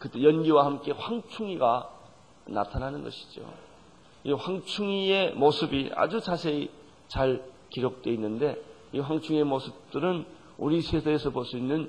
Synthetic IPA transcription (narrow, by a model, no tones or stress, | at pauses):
kɯt͈ejʌnɡiwahamk͈e̞ɸwaŋt͡ɕʰuŋiɡa | na̰tʰananɯnɡʌ̰ɕʰi̥d͡ʑio̰ | iɸwaŋt͡ɕʰuŋie̞mosʰɯbia̰d͡ʑut͡ɕasʰe̞i | t͡ɕaɭ | kiɾok̚t͈we̞inːɯnde̞ | iɸwaŋt͡ɕʰuŋiemosʰɯp̚t͈ɯɾɯn | uɾisʰesʰaesʰʌpos͈ʰuinːɯn